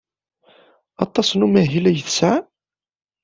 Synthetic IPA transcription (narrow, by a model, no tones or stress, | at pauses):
ɑt̪ˤːɑsˤnumæɦilæjəθsʕa